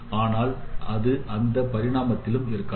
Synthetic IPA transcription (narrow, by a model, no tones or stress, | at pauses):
aːnaːlʔɐðɯʔɐnd̪ɐpɐɾɪɽaːmɐt̪ːɪlɯmɪɾɯkːɐ